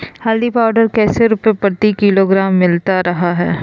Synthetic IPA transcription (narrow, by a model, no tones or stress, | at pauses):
haːld̪ipaːɖəɾkɛːseɾʊpepəɾt̪ikɪloɡɾaːmːɪlt̪aɾɐɦaɦɛ̰ː